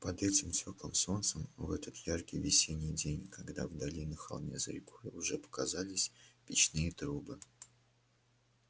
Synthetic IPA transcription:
pɐd̪ɛtʲɪmsʲo̞klˠəmso̞nt̪səmvɛt̪ət̪jarkʲɪjvʲɪsʲenʲɪjdʲenʲkɐɡd̪a̰vd̪ɐlʲinɨxɐ̰lˠnʲḛzə̰ɾʲɪkojʊʐɛpə̥kazalʲɪsʲpʲɪt͡ɕnɨjət̪ɾubɨ

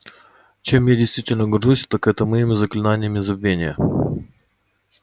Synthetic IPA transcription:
t͡ɕemjadʲɪjst̪vʲitʲɪlʲnəɡɐrʐusʲt̪akɛt̪əməjɪmʲɪzəklʲɪnanʲɪjəmʲɪzɐbvʲenʲɪjə

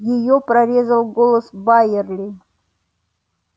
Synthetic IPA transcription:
jɪjopɾɐɾʲe̞zəlˠɡolˠəsbajɪrlʲɪ

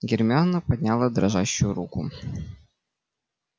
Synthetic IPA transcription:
ɡʲɪrmʲɪanəpɐdʲnʲalˠəd̪ɾɐʐaɕːʊjʊɾukʊ̰

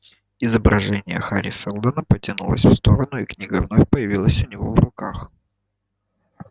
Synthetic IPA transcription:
ɪzəbɾʔɐʐɛnʲɪjə̰xaɾʲɪsəlˠd̪ənəpətʲɪnṵlˠə̰sʲfst̪o̞ɾənʊiknʲiɡəvno̞fʲpəjɪvʲilˠəsʲʊnʲɪvo̞̰vrʊkax

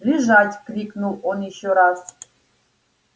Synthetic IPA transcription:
liʒatʲklʲikʰʼnulɔniɕɔɾas

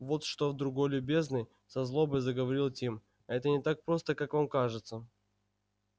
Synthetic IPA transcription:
vo̞t̪ʂt̪ovd̪ɾʊɡo̞jlʲʊbʲe̞znɨj | sɐzlˠo̞bɨzəɡəvɐɾʲilˠtʲim | ɐɛt̪ənʲɪt̪ak̚pɾo̞st̪əkakvamkaʐɨt̪sə

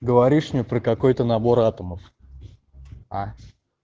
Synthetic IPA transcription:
ɡəvɐɾʲiʂnʲipɾəkɐko̞jt̪ənɐbo̞ɾat̪əməf | a

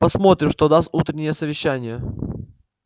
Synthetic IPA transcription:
pɐsmo̞t̪ɾʲɪmʂt̪od̪ast̪ut̪ɾʲɪnʲɪjəsəvʲɪɕːænʲɪjə

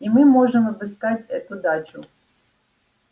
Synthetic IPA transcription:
imɨmoʐɨmvɨskatʲɛt̪ʊd̪at͡ɕʊ

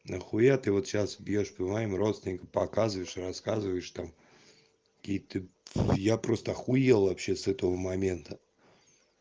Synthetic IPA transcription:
nəxʊat̪ɨvot̪ɕasbʲjoʂpmajɪmro̞t̪st̪vʲɪnʲɪkəpɐkazɨvəjɪʂɨrɐskazɨvəjɪʂt̪am | kkʲijt̪ɨjapɾost̪əɐxʊjelˠvɐpɕːesɛt̪əvəmɐmʲe̞nt̪ə

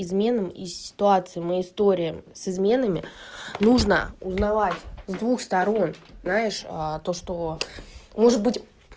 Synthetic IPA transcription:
ɪzmʲe̞nəmḭssʲɪ̥t̪ʊat̪sɨɪmɨɪst̪o̞ɾʲɪjəsɨzmʲe̞nəmʲɪ̰nuʐnə̰ʊznɐvatʲzd̪vuxst̪ɐɾo̞nznajɪʂət̪o̞ʂt̪o̞ | mo̞ʐɨt̪̚bɨtʲ

